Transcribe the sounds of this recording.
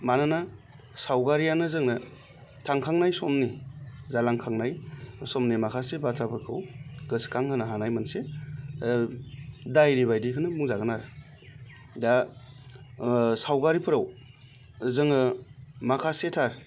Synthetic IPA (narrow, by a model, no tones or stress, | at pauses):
manana | sawɡaɾijanɯzɯŋnɯ | tʰaŋkʰaŋnajsɔmnizalaŋkʰaŋnajsɔmnimakʰasebatʰapʰɯɾkʰɯwɡɯskʰaŋhɯnaɦanajmanse | dajɾibajdikʰɯnɯmuŋzaɡɯnaɾɯ | da | sawɡaɾipʰɯɾaw | zɯŋnɯmakʰasetʰaɾ